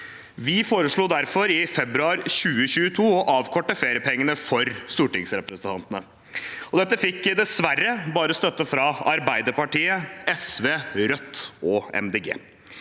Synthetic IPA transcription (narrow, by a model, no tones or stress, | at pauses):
ʋɪfoːɾəʂɭuːd̪æɾfɔɾɪfɛbɾʉɑːɾɕʉːəɕʉːət̪ʰuːɔʔɑːʋkʰɔʈːəfeːɾɪəpʰɛŋːənəfɔɾst̪uːʈɪŋsɾɛpɾəsənt̪ʰɑnt̪ənə | ɔd̪ɛt̪ːəfɪkːd̪ɛsʋærːəbɑːɾəst̪œt̪ːəfɾɑɑɾbæɪd̪əɾpɑʈiːəɛsʋeːɾœt̪ːɔɛ̰md̪eːɡḛː